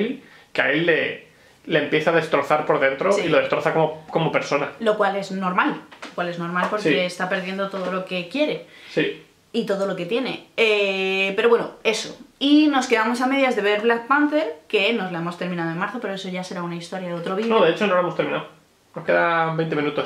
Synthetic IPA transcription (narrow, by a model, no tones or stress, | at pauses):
l | kea̰elːeː | eːmpjeθaðest̪ɾo̞θaɾpo̞ɾðe̞nt̪ɾosiloðet̪ɾoθakooko̞mope̞ɾso̞nalo̞kwale̞zno̞ɾmallokwale̞zno̞ɾmalpo̞ɾkseːst̪ape̞ɾðje̞nd̪ot̪o̞ð̞olo̞ke̞kje̞ɾe̞si | it̪o̞ðo̞lo̞ke̞t̪je̞ne̞epe̞ɾo̞βwenoe̞soino̞ske̞ðamo̞same̞ðjazðe̞βe̞ɾβlak̚pant̪eɾke̞no̞zlae̞mo̞st̪e̞ɾmĩnað̞oe̞nmaɾθo̞pe̞ɾo̞e̞so̞ʝase̞ɾaunaist̪o̞ɾjaðeot̪ɾoβinoðeet͡ʃonoloemo̞st̪eɾmĩnao | no̞ske̞ðabe̞jnt̪emĩnut̪o̞s